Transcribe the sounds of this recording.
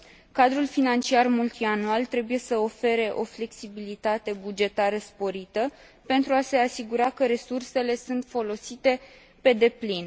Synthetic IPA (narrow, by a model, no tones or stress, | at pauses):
kad̪ɾulfinant͡ʃiarmult̪ianualt̪ɾe̞buje̞səo̞fe̞ɾe̞ʔo̞fle̞ksibilit̪at̪e̞bud͡ʒe̞t̪aɾəspo̞ɾit̪ə | pe̞nt̪ɾuase̞asiɡuɾakəɾe̞surse̞le̞sunt̪fo̞lo̞sit̪e̞ | pe̞d̪e̞plin